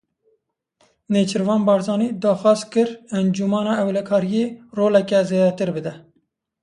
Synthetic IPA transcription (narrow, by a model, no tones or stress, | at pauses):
neːt͡ʃʰɨɾvɑːnbɑːɾzɑːniːd̪ɑːxwɑːzkɨɾɛnd͡ʒumɑːnɑːɛwlɛkʰɑːɾijeːroːlɛkɛzeːd̪ɛt̪ɨɾbɨd̪ɛ